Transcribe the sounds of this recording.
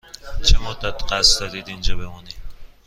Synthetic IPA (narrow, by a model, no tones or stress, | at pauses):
t͡ʃʰemod̪æt̪qæsd̪ɒd̪id̪ind͡ʒɔbemuni